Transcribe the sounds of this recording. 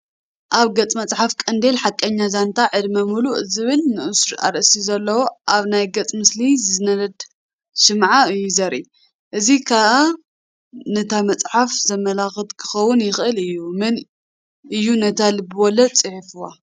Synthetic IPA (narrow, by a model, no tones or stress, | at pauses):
ʔaβɡɐt͡sʼmɐt͡sʼħafkʼɐnd̪elħakʼːɐɲːazant̪ʰaʕɨd̪mɐmuluʔɨzɨβɨlnɨʔɨsɾa̰ɾʔsizɐlːɐwoʔaβnajɡɐt͡sʼmɨslizɨnɐlɐd̪ | ʃɨmʕaɨjːuzɐɾʔi | ʔɨzikʰaʔa | nɐt̪ʰamɐt͡sʼħafzɐmɐlaxɨt̪kʰɨ̥xɐwːʊnjɪxɨlɨjːumɨn | ʔɨjːunɐt̪ʰalɨbɨwɔlɐt͡sʼɨħifɨwa